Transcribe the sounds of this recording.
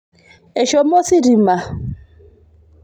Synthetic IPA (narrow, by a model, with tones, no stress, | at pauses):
e˨ʃo˨mo˦si˦ɾi˨ma˨